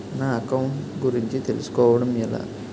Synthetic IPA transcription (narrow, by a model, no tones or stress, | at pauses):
naːɐkɐwuɳʈɡuɾiɲt͡ʃit̪e̞lusu̥kɔːʋɐɽɐmila̰ː